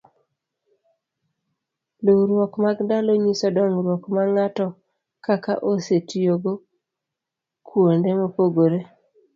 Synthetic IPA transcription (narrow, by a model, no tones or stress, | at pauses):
lowɾwɔkmaɡndaloɲisɔdɔŋɾwɔkmaŋatɔ | kakaʔosetijoɡo | kʰwondemopoɡoɾe